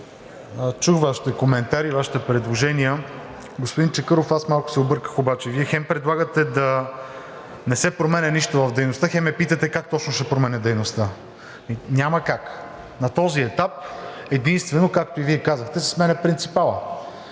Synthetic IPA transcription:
t͡ʃuxvaʃi̥t̪ɛkomɛnt̪aɾivaʃi̥t̪ɛpɾɛd̪lˠoʒɛniə | ɡospod̪int͡ʃɛkɤɾofasmalˠkʊ̥sɛobɤɾkə̥xobat͡ʃɛviɛxɛmpɾɛd̪lˠaɡət̪ɛd̪ɐ | nɛsɛpɾomɛnʲɛniʃt̪ovɐvd̪ɛjnost̪əxɛmɛpit̪ɐt̪ɛkak̚t̪ɔt͡ʃnoʃɛpɾomɛnɛd̪ɛjnost̪ə | inʲamɐkak | nɐt̪ɔziɛt̪ap̚ | ɛd̪inst̪vɛnokakt̪oiviɛkazəxt̪ɛsɐ̥smɛnɛpɾint̪sipalˠə

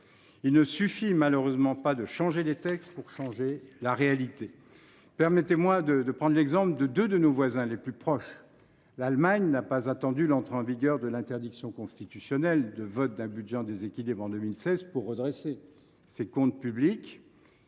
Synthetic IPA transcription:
ilnəsyfimaløʁøzmɑ̃pad̪əʃɑ̃ʒelet̪ɛkst̪puʁʃɑ̃ʒelaʁealit̪e | pɛʁmɛt̪emwad̪əd̪əpχɑ̃d̪lɛɡzɑ̃pld̪əd̪ød̪ənovwazɛ̃leplypχɔʃ | lalmaɲnapazat̪ɑ̃d̪ylɑ̃t̪χeɑ̃viɡʲœʁd̪əlɛ̃t̪ɛʁd̪iksjɔ̃kɔ̃st̪it̪ysjɔnɛld̪əvɔt̪̚d̪ɛ̃bydʒɛɑ̃d̪ezekʲilibʁɑ̃d̪ømilsɛzpuʁːəd̪ʁese | sekɔ̃t̪̚pyblik

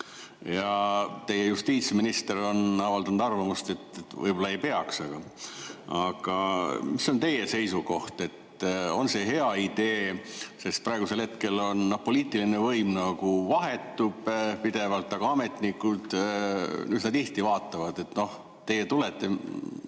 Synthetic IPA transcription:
jɑt̪e̞jejust̪iːt̪sminist̪e̞ɾo̞nɑvɑld̪ɑnud̪ɑrvɑmust̪e̞t̪ːet̪ːvɤ̰jbo̞lːɑejpe̞ɑksɑɡ̥ɑ | ɑɡ̥ɑmisːo̞nt̪e̞je̞se̞jsuko̞ht̪e̞t̪ːo̞nse̞ɦe̞ɑid̪e̞ːse̞st̪̚pɾɑeɡ̥use̞lhe̞t̪ke̞lo̞nːɑpo̞liːt̪ˑilinevɤjmnɑɡ̥uvɑɦe̞t̪ːub̥pid̪̥e̞vɑlt̪ːˑɑɡ̥ɑɑme̞t̪ˑnikːud̪̥ | nyːd̪nɑd̪iht̪ivɑːt̪ːˑɑvɑd̪e̞t̪no̞h | t̪e̞jːet̪ulet̪ːˑe̞

